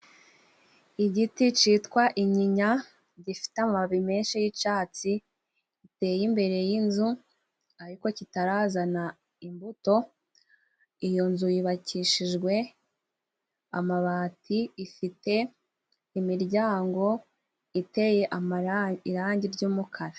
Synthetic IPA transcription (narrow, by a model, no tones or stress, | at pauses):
iɟitit͡ʃitkwaʔiɲiɲa | ɟifi̥teamaβime̞ːnʃijit͡ʃaːt͡siː | te̞ːjimbe̞ɾe̞jinzu | aɾiko̞citaɾaːzana | imbuto̞ | ijo̞nzujiβaciʃiʒɡwe̞ | a̰maβaːtiifite̞ | imiɾɟaːŋɡo̞ | ite̞je̞ʔaaiɾaːɲɟiɾɟuːmukʰaɾa